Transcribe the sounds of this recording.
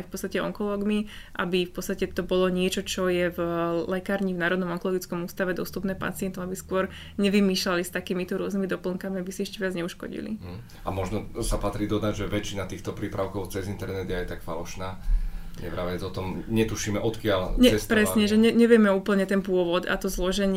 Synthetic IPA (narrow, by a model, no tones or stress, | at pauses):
ajfpɔt͡st̪acɛɔ̰ŋkɔlɔːɡmiʔa̰bifpɔtt͡sst̪acɛt̪ɔbɔlɔɲɪɛt͡ʃɔt͡ʃɔjɛvlɛkaːɾɲivnaːɾɔd̪nɔmɔŋkɔlɔɡit͡skɔmuːst̪aʋɛd̪ɔst̪upnɛːpa̰t͡sɪɛnt̪ɔabiskʊɔɾ | ɲɛʋimiːʃlalist̪akiːmit̪ɔɾʊɔznimid̪ɔpl̩ŋkamiabisiɛʃcɛʋɪad͡zɲɛuʃkɔ̰ɟḭlḭ | amɔʒnɔsapat̪ɾiːd̪ɔd̪aɟʒɛʋɛt͡ʃinat̪iːxt̪ɔpɾiːpɾaʊkɔʊt͡sɛzint̪ɛɾnɛd̪ɪajɛt̪akfalɔʃnaːɲɛ̰pɾaʋɛt̪ɔt̪ɔmɲɛt̪uʃiːmɛʔɔt̪kɪalɲɛɛstpɾɾɛsɲɛʒɛɲɛɲɛʋɪɛmɛuːpl̩ɲɛt̪ɛnp̬ʊɔʋɔd̪a̰t̪ɔzlɔʒɛɲ